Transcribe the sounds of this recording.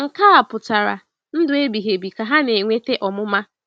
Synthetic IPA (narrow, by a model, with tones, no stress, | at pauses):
ŋ̩˨ka˦a˨pʊ˨ta˨ɾa̰˨ | n̩˦dʊ˨e˦bi˨ɦe˨bi˨ka˨ɦa˦ne˨ŋʷe˦te˦ʔɔ˨mʊ˦ma˦